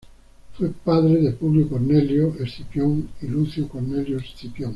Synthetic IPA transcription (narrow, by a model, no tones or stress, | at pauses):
fwepaðɾeðepuβlikoɾneljoesθipjoŋiluθjokoɾneljoesθipjoŋ